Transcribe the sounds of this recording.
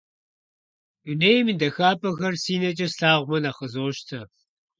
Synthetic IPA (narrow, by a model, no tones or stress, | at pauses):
unejmidɐxaːpʼɐɣɐrsiːnɐt͡ʃʼɐsɬaːʁʷmɐnaχəzoːʃtʰɐ